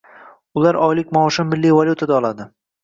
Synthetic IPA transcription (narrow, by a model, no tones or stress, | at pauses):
ʊlaɾɒjlɪkʲmɒːʃɪmmːɪlːijvalʲut̪ʰad̪aɒlˠad̪ɪ